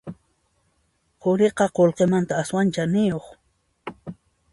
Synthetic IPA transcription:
qʊɾeqɑqolqemant̪aːswant͡ʃanɪjoχ

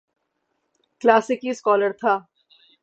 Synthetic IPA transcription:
klaːsɪkiskɔːləɾt̪ʰaː

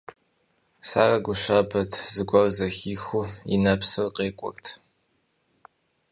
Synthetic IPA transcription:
sa̰ːrɐɡʷʊʃaːbʰɐtʰzɨɡʷɔrzɐxiːxuḭnɐpsɨrqʼeːkʷʼʊ̰rtʰ

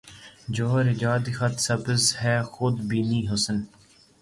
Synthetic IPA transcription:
d͡ʒoːɾɪd͡ʒaːd̪ixɐt̪səbəzɦɛːxʊd̪biːniːɦosən

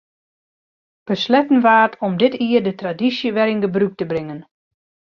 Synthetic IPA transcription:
b̥əslɛtən̩ʋaːrtʰɔmdɪtiərdətradisjəʋɛɾɪnɡəbruk̚təbrɪŋən

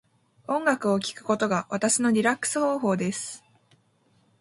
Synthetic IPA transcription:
õ̞ŋɡakɯ̟o̞kʲi̥kɯ̟̥ko̞t̪o̞ɡaβat̪aɕino̞ɾʲiɾakːɯ̥sɨho̞ːɦo̞ːd̪e̞sɨ̥

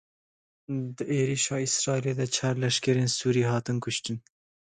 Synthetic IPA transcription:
d̪əʔeːɾiːʃɑːisɾɑːileːd̪ɛt͡ʃʰɑːɾlɛʃkɛɾeːnsuːɾiːɦɑːt̪ɨnkʰʊʃt̪ɨn

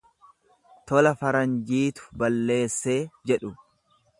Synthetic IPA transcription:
t̪ɔlɐfɐɾɐnd͡ʒiːt̪ʊ̥bɐlːe̞ːsːe̞ːd͡ʒɛᶑʊ

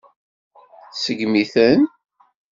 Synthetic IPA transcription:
θsəɡmiθən

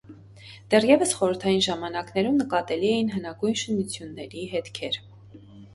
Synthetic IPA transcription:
d̪̥ɛrjɛvəsχɔɾəɾt̪ʰɑjinʒɑmɑnɑknɛɾumnəkɑt̪ɛliɛjinɦənɑɡujnʃənut͡sʰjunːɛɾiɦɛt̪kʰɛɾ

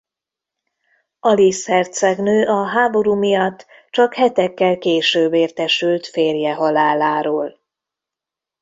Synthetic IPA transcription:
ɒlishɛrt̪sɛɡnøːʔɒɦaːbo̞ɾuːmijɒt̪ːt͡ʃɒkhɛt̪ɛkːɛlkeːʃøːbeːrt̪ɛʃylt̪feːrjɛɦɒlaːlaːɾoːl

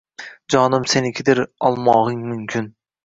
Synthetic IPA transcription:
d͡ʒɒnɪmsenɪkʲʰɪd̪ɪɾɒlˠmɒʁɪŋmʊmkʲʰɪn

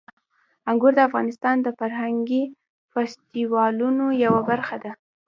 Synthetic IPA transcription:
aŋɡuɾd̪əafɣɑnɪst̪ɑnd̪əfaɾɦaŋɡi | fast̪iwɑlunojawabaɾxad̪a

